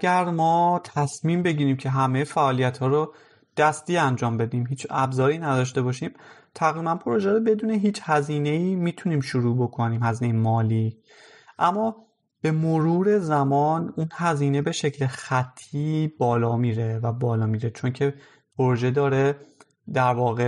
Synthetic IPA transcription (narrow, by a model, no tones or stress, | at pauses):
æɟæɾmɒːt̪ʰæsmiːmbe̞ɟiːɾiːmcʰe̞ɦæmejfæʔɒːlijæt̪hɒːɾo | d̪̥æst̪iːænd͡ʒɒːmbe̞d̪iːmɦiːt͡ʃæbzɒːɾiːnæd̪ɒːʃ̬t̪e̞bɒːʃiːmt̪ʰæɣɾiːbænpʰoɾo̞ʒeɾobe̞d̪uːneɦiːt͡ʃhæziːne̞iːmiːt̪ʰuniːmʃuɾuːbo̞kʰo̞niːmhæziːnejemɒːliː | ʔæmːɒː | b̥e̞moɾuːɾe̞zæmɒːnunhæziːne̞be̞ʃe̞cʰlexæt̪ʰːiːb̥ɒːlɒːmiːɾe̞væbɒːlɒːmiːɾe̞t͡ʃʰo̞ncʰe̞ | pʰoɾoʒe̞d̪ɒːɾe | d̪æɾvɒːɣe